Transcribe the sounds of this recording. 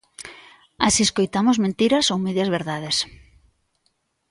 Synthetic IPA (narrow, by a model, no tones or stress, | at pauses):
asieskojt̪amozmẽnt̪iɾɐsowmeðjɐzβeɾðað̞es